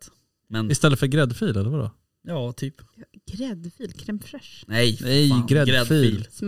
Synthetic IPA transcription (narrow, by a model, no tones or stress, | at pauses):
t̪ | mɛnɪst̪ɛlːət̪fœɾɡɾɛd̪fyːlɛlːəɾvadɔ̰ | jɑːt̪ʰyːpɡ̥ɾɛd̪fiːlkʰɾɛmfɾɛʂnɛjnɛjɡɾɛdfiːl